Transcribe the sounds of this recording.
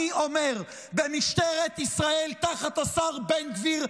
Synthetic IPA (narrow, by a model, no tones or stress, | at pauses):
iʔomeʁ | bemiʃt̪eʁet̪isʁaelt̪aχat̪asaʁbenɡviʁ